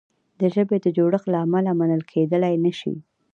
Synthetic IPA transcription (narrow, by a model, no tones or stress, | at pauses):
d̪əʒəbed̪əd͡ʒoɽəxlaːmalamanəlkʰed̪əlajnəʃḭ